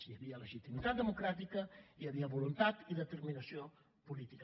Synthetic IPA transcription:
iəβiələʒit̪imit̪at̪̚d̪əmukɾat̪ikəiəβiəβulunt̪at̪iðət̪əɾminəsio | pulit̪ik

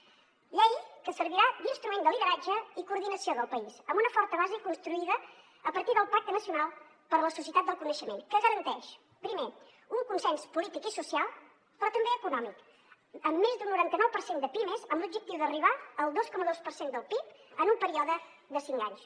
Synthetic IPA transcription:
ʎɛjkəsəɾβiɾad̪inst̪ɾumend̪əliðəɾad͡ʒəikuːɾðinəsioðəlˠpəisəmbunəfɔɾt̪əβazəkunst̪ɾuiðəː | pəɾt̪iðəlˠpak̚t̪ənəsiunalˠ | pəɾləsus̬iət̪at̪̚d̪əlˠkunəʃəmḛnkəɣəɾənt̪ɛʃ | pɾime | uŋkunsɛnspulit̪ikisusijalˠ | pɾɔt̪əmbeəkunɔmik | əmːezd̪unːuɾant̪ənɔwpəɾsend̪əpiməzəmblub̚d͡ʒək̚t̪iwðəriβ̞aəlˠd̪oskɔməðospəɾsend̪əlˠpipənumpəɾiɔðə | d̪əsiŋka̰ɲs

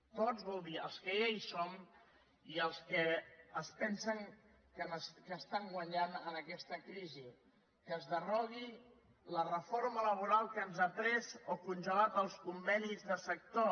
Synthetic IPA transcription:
t̪ozβulˠðiəlˠskəejsom | iəlˠskəːspɛnsəŋ | kənskəːst̪aŋɡwəɲanənəkɛst̪əkɾizi | kəzðərɔɣi | lərəfoɾmələβ̞uɾalˠkənzat̪ɾɛzokunʲʒəlat̪əlˠskumbɛnizðəsək̚t̪o

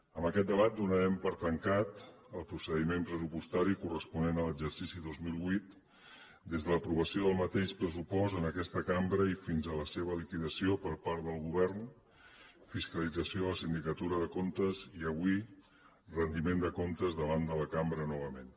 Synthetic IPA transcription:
əmbəkɛt̪̚d̪əβat̪̚d̪unəɾɛmpəɾt̪əŋkat̪ | əlˠpɾusəðimempɾəsupust̪aɾikurəspunenələd͡ʒəɾsisiðozmilˠβwit̪ | d̪ezðələpɾuβəsioðəlˠmət̪eʃpɾəsupɔst̪ənəkɛst̪əkambɾəifinzələseβ̞əlikiðəsiopəɾpaɾðəlˠɣuβ̞ɛrn | fiskəlid͡zəsioləsind̪ikət̪uɾəðəkomt̪əziəβwi | rənd̪imend̪əkomt̪əzðəβand̪ələkambɾənɔβəmen

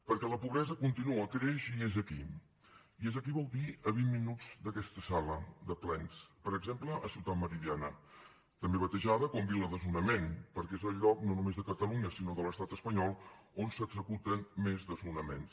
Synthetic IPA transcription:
pəɾkɛləpuβɾɛzəkunt̪inuəkɾeʃiezəki | iezəkiβɔlˠd̪iəβimminuzd̪əkɛst̪əsaləd̪əplɛnspəɾəɡzempləʔəsiwt̪at̪məɾiðianə | t̪əmbeβ̞ət̪əʒaðəkɔmbiləðəzunəmenpəɾkɛezəlˠʎːɔknonumezðəkət̪əluɲəsinoðələst̪at̪əspəɲɔlˠ | onsəɡzəkut̪ənmezðəzunəmḛns

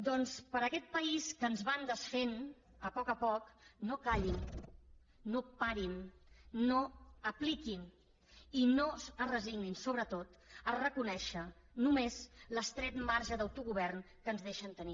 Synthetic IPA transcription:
d̪ɔnspəɾəkɛt̪̚pəiskənzβand̪əsfen | əpɔkəpɔknokaʎinː | opaɾinː | oəplikin | inoərəziɡninsoβɾət̪ot̪ | ərəkunɛʃə | numezləst̪ɾɛt̪maɾʒəðəwt̪uɣuβ̞ɛrn | kənzðeʃənt̪əni

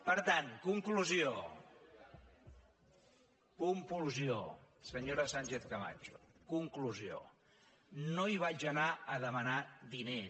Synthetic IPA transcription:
pəɾt̪ankuŋkluzio | kumpulzio | səɲoɾəsaɲʲt͡ʃeθkəma̰t͡ʃu̥kuŋkluzio̰ | noiβad͡ʒənaəðəmənaðine

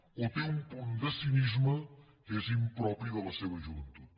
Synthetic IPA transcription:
ot̪eumpund̪əsinizmə | ezimpɾɔpɾiðələseβəʒuβənt̪ut̪

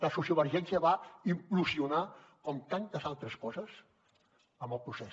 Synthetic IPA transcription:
ləsusiuβəɾʒɛnsiəβaimpluziunakɔmt̪ant̪əzalˠt̪ɾəskɔzəs | əmbəlˠpɾusɛ

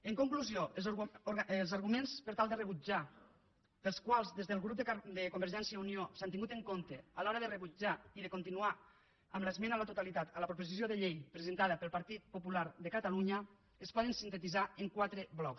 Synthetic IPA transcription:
əŋkuŋkluzio | lˠzaɾɣumenspəɾt̪alˠd̪ərəβud͡ʒḁ | əlˠskwalˠzðezðəlɣɾup̚d̪d̪əkombəɾʒɛnsjauniosant̪iŋɡut̪eŋkont̪ealɔɾəðərəβud͡ʒaiðəkont̪inuaː | mləzmenalət̪ut̪alit̪at̪əlapɾop̬ozizioðəʎejpɾezent̪aðəpəlˠpaɾt̪it̪̚populaɾðəkat̪aluɲə | espɔð̞ənsint̪ət̪izaeŋkwat̪ɾəβlɔks

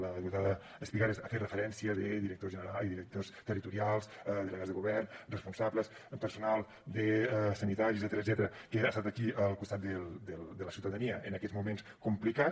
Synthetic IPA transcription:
ləðəɣut̪aðə | əspiɣaɾesəferəfəɾɛnsiəðəðiɾək̚t̪ozʒənəɾaliðiɾək̚t̪ost̪ərit̪uɾialˠs | ðələɣazðəɣuβɛrnrəspunsabləs | pəɾsunalˠ | d̪əsənit̪aɾizɛt̪ɾədzɛt̪əɾəkəast̪at̪əkiʔəlˠkust̪at̪̚d̪əld̪əld̪ələsiwt̪əðəniəʔənəkɛtzmumenskumplika

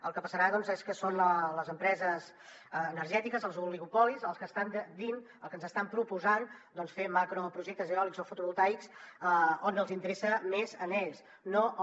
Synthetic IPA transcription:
ə̰lˠkəpəsəɾaðɔnzeskəsonələzəmpɾɛzəz | əːnəɾʒɛt̪ikəzəlˠzuliɣupɔlizəlˠskəst̪and̪əd̪in | əlˠkənzəst̪ampɾupuzand̪ɔnsfemakɾopɾuʒek̚t̪əzeɔlikzofut̪uβulˠt̪ajks | onəlˠzint̪əɾesəmezənɛʎs | no

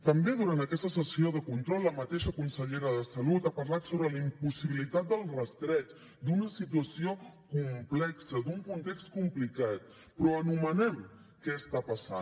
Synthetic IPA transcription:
t̪əmbeðuɾant̪əkɛst̪əsəsioðəkunt̪ɾɔlːəmət̪eʃəkunsəʎeɾəðəsəlut̪apəɾlat̪soβɾəlimpusiβilit̪at̪̚d̪əlˠrəst̪ɾɛt͡s | d̪unəsit̪uəsiokumplɛksəd̪uŋkunt̪ɛkskumplikat̪̚ | pɾɔənumənɛm | kɛəst̪apəsa̰

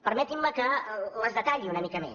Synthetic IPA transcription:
pəɾmɛt̪imːəkələzðət̪aʎiunəmikəmḛ

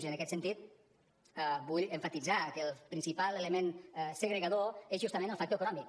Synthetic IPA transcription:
ʒənəkɛt̪sənt̪it̪̚ | ɛbuʎeɱfat̪id͡zakəlˠpɾinsipalˠeləmensəɣɾeɣaðoezʒust̪ɐmẽnəlˠfak̚t̪oekunɔmik

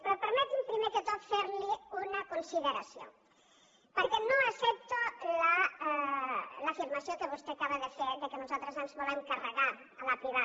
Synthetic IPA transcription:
pɾopəɾmɛt̪impɾimek̪ət̪ɔfeɾliunɐkonsiðəɾasio̰ | pəɾkɛnoasɛp̚t̪ola | lafiɾmasjokəβ̞ust̪eakaβəðəfeðəkənuzalˠt̪ɾəzənzβɔleŋkarəɣaɾ | əlapɾiβa

